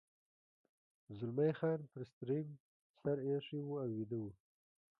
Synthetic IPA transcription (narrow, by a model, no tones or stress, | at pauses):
zʊlmajxɑːnpɾɪst̪ɾim | saɾeʂiwuawid̪awu